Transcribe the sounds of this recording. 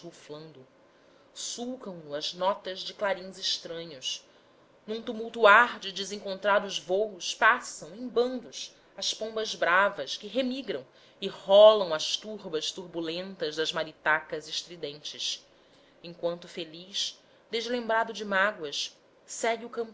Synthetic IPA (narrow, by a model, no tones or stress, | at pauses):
uflɐ̃nd̪ʊ | suwkɐ̃w̃nʊɐznɔt̪ɐzd͡ʒɪklaɾĩzɪʃt̪ɾɐ̃ɲʊs | nũt̪umuwt̪uaɾd͡ʒɪd͡ʒɪzẽŋkõnt̪ɾad̪ʊzvowʊspasɐ̃w̃ẽj̃bɐ̃nd̪ʊs | ɐspõbɐzbɾavɐskɪɦemiɡɾɐ̃w̃ | ɪhɔlɐ̃w̃ɐʃt̪uɾbɐʃt̪uɾbulẽnt̪ɐzd̪ɐzmaɾit̪akɐzɪʃt̪ɾid̪ẽnt͡ʃɪs | ẽŋkwɐ̃nt̪ʊfeliʃ | d̪ezlẽmbɾad̪ʊd͡ʒɪmaɡwɐʃ | sɛɡiukɐ̃mp